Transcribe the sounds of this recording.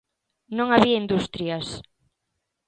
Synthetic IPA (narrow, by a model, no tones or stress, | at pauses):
nõŋaβiaind̪ust̪ɾias